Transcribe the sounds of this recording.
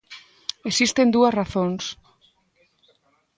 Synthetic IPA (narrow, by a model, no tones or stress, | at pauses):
esist̪end̪uɐsraθons